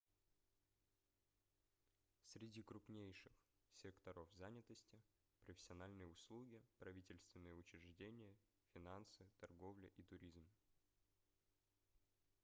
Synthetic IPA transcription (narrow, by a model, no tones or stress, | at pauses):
sʲɾʲɪdʲikɾʊpnʲejʂɨxsʲekt̪ɐɾofzanʲɪt̪əsʲtʲɪ | pɾəfʲɪ̥sʲɪɐnalʲnɨjəʊslˠuɡʲɪpɾɐvʲitʲɪlʲst̪vʲɪnːɨjəʊt͡ɕɾʲɪʐdʲenʲɪjə | fʲɪnansɨt̪ɐrɡo̞vlʲɪʔit̪ʊɾʲizm